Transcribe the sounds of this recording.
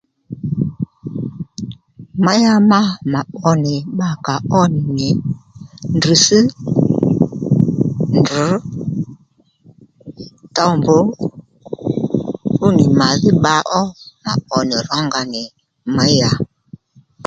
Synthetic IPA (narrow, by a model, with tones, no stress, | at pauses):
ma˦ja˦ma˦ma˨ɓɔ˦ni˨ɓa˦ka˨ɔ˦ni˨ni˨ | n˨di˨si˦ | n˨du˨˦ | tɔ˦mbo˦ | u˦ni˨ma˨ɣi˦ɓa˨˦ʔɔ˦ma̰˨ɓɔ˨ni˨ɾɔ˦ŋɡa˨ni˨ | ma˦ja˨